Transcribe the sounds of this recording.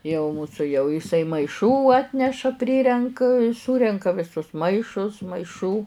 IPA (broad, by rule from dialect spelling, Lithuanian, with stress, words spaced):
jɛʊ ˈmuːsʊ jɛʊ ɪˈsɐɪ mɐɪˈʃuː ˈɑːtʲnʲɛʃɐ ˈpʲrʲɪrʲɛŋk ˈsuːrʲɛŋkɐ ʋʲɪˈsʊs ˈmɐɪʃʊs mɐɪˈʃuː